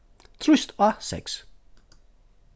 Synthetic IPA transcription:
t͡sʰʁysd̥ɒseɡ̥s

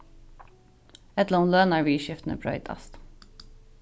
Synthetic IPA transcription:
ɛt̪lnlœnæːɹʋiːʃɪft̪nə̰bɹœ̰ʏt̪ʰɑ̰st̪

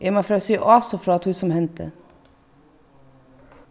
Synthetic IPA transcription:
ʔemɑfɾɑsiːʔɑːsɔfɾɑːt̪hʉːsɔmhɛnt̪ʰə̰

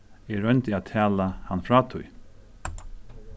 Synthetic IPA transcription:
ɛɹœjnt̪ɪaːt̪ʰæːlahanfɹaːt̪ʰʊj

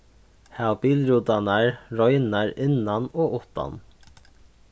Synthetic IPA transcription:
haʊbiːlɾuːd̪ɑnɑɹɾɔʏnɑɾɪnɑnoːʔʊt̪ɑ̰n

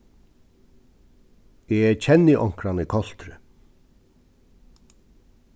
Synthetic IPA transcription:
ɛɛcʰɛnːɪʔɔŋ̥kɾanɪkʰɔl̥t̪ɾɪ̰

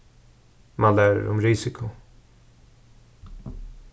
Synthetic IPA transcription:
manlæːɾ̰ɾɔmɾɪsɪkʰʊ

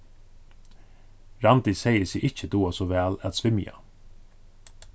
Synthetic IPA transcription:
ɾɑnd̪ɪseɪəsiːʔɪçəd̪uːasoːʋæːlæt̪sʋɪmjɑ̰

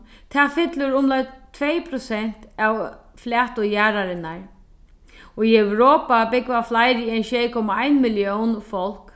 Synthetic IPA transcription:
t̪ʰaːfɪt̪lʊɾʊmlajt̪ʰvɛjpʰɾʊsɛn̥t̪aw | flɛːt̪ʊjaːɾaɾɪnaɹ | ɔiɛwɾɔːpabɪkvaflajɾiɛjnʃɛjkʰɔmaajnmɪljɔwnfɔl̥k

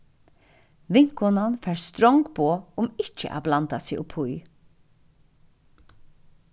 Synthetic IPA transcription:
ʋɪŋkɔnɑnfæːɹst̪ɾɔŋɡbʰoːʊmɪcə̰ʔa̰ːblɑnd̪ɑsiʔʊpʰʊʏ

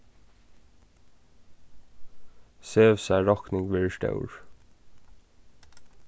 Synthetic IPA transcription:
søːʋsæːɹɑknɪŋɡʋɪːʃʈɑ̰ʉɹ

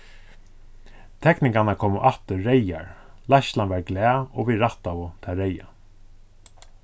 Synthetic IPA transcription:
t̪ʰɛknɪŋkanakʰɔːmʊʔat̪ʏːeja̰ɹ | laʃlanvaɹɡlɛːɔʋiɾaht̪avʊt̪ʰɛːɾeja̰

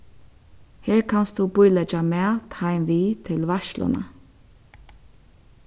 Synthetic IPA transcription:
heːɹkʰanst̪d̪ubʊjlɛt͡ʃamɛːt̪hajmʋiːt̪ʰɪlʋaʃlʊ̰na̰

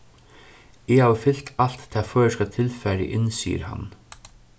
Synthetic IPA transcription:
ɪaːwfɪlt̪ʰal̥t̪t̪ʰːɛːføːskɑt̪ʰɪlfæɾɪ̰ʔɪnsḭːə̰ɾha̰n

